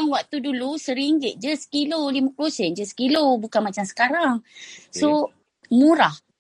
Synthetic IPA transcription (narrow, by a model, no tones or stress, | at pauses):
aŋwak̚t̪udulusəɾiŋd͡ʒeʔ̚d͡ʒəsə̥kilolimãplosɛnd͡ʒəsə̥kilobukanmat͡ʃamsə̥kaɾaŋso | muɾah